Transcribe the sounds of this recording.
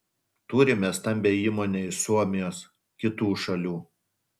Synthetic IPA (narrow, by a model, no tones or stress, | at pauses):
t̪uːɾʲɪmʲɛst̪ɐmʲbʲeiːmoːnʲesuɔmʲɪjoːs | kʲɪt̪uːʃɐlʲuː